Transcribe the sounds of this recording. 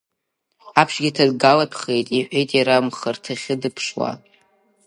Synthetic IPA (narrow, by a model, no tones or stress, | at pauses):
apʰʂɡʲitʰadɡalapʰχe̞jtʼiħʷᶣejtʼiɾamχartʰaχʲɪdɨpʰʂwa̰